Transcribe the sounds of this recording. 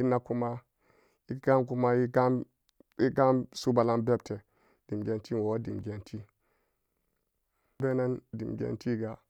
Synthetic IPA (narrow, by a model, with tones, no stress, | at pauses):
i˦na˦ku˦ma˦ | i˦ɡa˦nk̬u˦ma˦i˦ɡa˦m | i˦ɡa˦msu˦ba˨la˦nbe˦bte˨ | d̥i˨m˨ɡe˨nti˦n˨o˨˦di˨mɡe˨ntʰi˦ | be˦na˦ndḭ˨mɡʲḛ˨˦nti˦ɡa˨